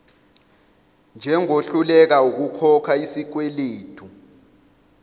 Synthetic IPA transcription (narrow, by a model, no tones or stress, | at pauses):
nd͡ʒʱɛŋoɬulɛk̬auk̬ukʰɔkʰaisik̬weleːtʰu